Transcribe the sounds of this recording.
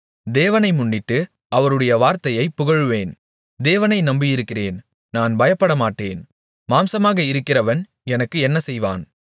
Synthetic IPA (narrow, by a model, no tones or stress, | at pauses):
d̪eːʋɐnɐɪmʊɳːɪʈːɯ | ʔɐʋɐɾɯɽɐjɐʋaːɾt̪ɐjɐɪpːʊɣɐɻɯʋeːn | d̪eːʋɐnɐɪnɐmbɪjɪɾɯkːɪreːn | naːnbɐjɐpːɐɽɐmaːʈːeːn | maːmsɐmaːɣɐɪɾɯkːɪrɐʋɐn | ɛnɐkːɯɛnːɐsɛjʋa̰ːn